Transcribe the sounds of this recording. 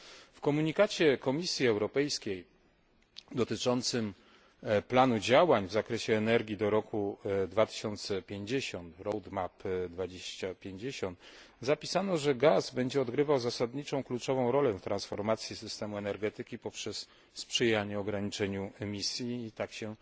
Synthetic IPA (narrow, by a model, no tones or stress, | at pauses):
fkɔmuɲikat͡ɕɛkɔmʲisʲjiɛwɾɔpɛjskʲej | d̪ɔt̪ɘt͡ʂɔnt̪sɘm | planud͡ʑawaɲvzakɾɛɕɛːnɛɾɡʲid̪ɔɾɔkud̪vat̪ɘ̥ɕɔnt̪sɛpʲjeɲd͡ʑeɕɔnt̪ɾɔwd̪mapd̪vad͡ʑeɕt͡ɕapʲjeɲd͡ʑeɕɔnt̪ | zapʲisanɔʐɛɡazbɛɲd͡ʑɛɔd̪ɡɾɘvawzasad̪ɲit͡ʂɔ̃w̃klut͡ʂɔvɔ̃w̃ɾɔlɛft̪ɾãnsfɔɾmat̪sʲjisɘst̪ɛmuɛnɛɾɡɛt̪ɘkʲipɔpʂɛs | spʂɘjaɲɛɔɡɾaɲit͡ʂɛɲuɛmʲisʲjiːt̪akɕɛ